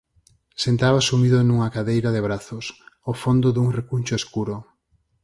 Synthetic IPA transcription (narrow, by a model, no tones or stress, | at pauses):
sent̪aβasumiðʊnuŋɐkaðejɾaðeβɾaθʊsofond̪ʊðuŋrekunʲt͡ʃoeskuɾo